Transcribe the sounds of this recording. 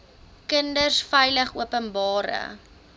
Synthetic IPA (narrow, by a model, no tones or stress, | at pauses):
kəndərsfəjləχuəpənbɑːɾə̰